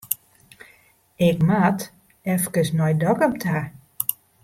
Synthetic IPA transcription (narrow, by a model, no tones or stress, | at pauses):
ɪkmat | ɛfkəsnɔjdɔkəmtʰa